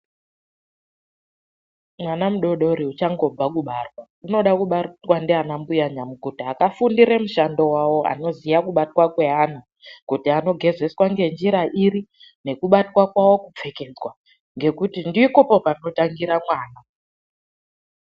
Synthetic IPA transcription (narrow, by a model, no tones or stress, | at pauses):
mwanamuɗo̞ɗo̞ɾiut͡ʃaŋɡo̞b͡vakuɓarwa | uno̞ɗakuɓarutwandeanambujaɲamukutiakafundiɾemuʃando̞wawo̞a̰no̞zijakuɓatwakwe̞an̤u | kutiano̞ɡʱe̞ze̞swaŋɡe̞nd͡ʒiɾaʔiɾi | ne̞kuɓatwakwawo̞kup͡fe̞ke̞d͡zwa | ŋɡe̞kutindikopopano̞taŋɡiɾamwaːna